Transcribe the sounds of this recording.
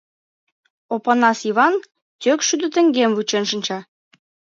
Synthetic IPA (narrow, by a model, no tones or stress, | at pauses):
opɑnɑsiβɑn | t̪ʲøkʃyd̪ø̆t̪ə̆ŋɡemvut͡ɕenʃə̆nt͡ɕɑ